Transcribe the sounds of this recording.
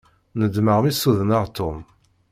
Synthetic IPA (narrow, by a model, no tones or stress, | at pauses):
nəd̪məʁmisuðənaʁt̪ʰːʊm